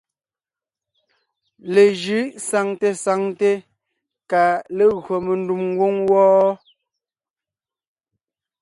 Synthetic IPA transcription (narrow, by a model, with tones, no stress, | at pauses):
le˨ʒɯ˨˦sa˨ŋte˨sa˨ŋte˦ | ka˨le˨ɣo˨me˨n˦du˨mŋ˦ɡwo˦ŋwɔː˦